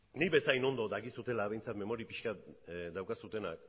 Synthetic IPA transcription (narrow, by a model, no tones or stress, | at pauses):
niβe̞sajno̞nd̪o̞d̪aɣisut̪e̞laβe̞jnt͡sat̪me̞mo̞ɾipiʃkat̪d̪awkasut̪e̞na̰k̚